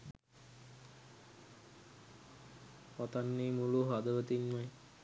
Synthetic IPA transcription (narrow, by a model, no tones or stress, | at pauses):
pat̪anːiːmuluɦad̪əʋət̪inmaj